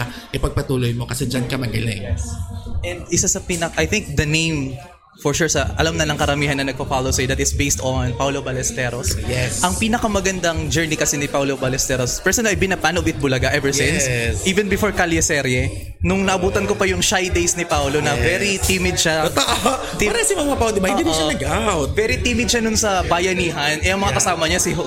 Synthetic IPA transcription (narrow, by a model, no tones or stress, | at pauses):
akɪpɐɡ̚pɐt̪uːlojmokɐsɛd͡ʒɐnkɐmɐɡɐlɛŋɛsʔɛnd̪ɪsasɐpiːnɐkʔɐjθɪ̃ŋk̚d̪ɐnẽjm | fɔɹʃuɹsɐʔɐ̰lamnɐlɐŋkɐɾɐmiːɦɐnːɐnɐɡ̚pɐfalowsɐjd̪ɐt̪ɪsbejst̪onpawlobɐlɛst̪ɛːɾosjɛsʔɐŋpiːnɐkɐmɐɡɐnd̪ɐŋd͡ʒɛɹnikɐsɛnɪpawlobɐlɛst̪ɛɾospɛɹsɔnɐjbɪnɐpanovɪt̪̚bʊlɐɡaʔɛvɛɹjɪ̃nssʔiːvɛnbɪfoɹkaljɐsɛɾɛ | nʊŋnɐʔɐbuːt̪ɐnkopɐjʊŋʃajd̪ejsnipawlonɐvɛɾit̪imɪd̪̚ʃat̪ɐʔ̪ | aɾɐsimɐŋapawd̪ɪbɐɪ̃id̪ɐɡawt̪̚vɛɾit̪iːmɪd̪̚ʃɐnʊnsɐbaːjɐniːɦɐnʔɛʔɐŋmɐŋakɐsaːmɐɲasio